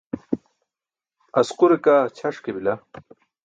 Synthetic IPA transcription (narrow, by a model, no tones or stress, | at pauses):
ɐsquɾekaːt͡ɕʰɐʂkebila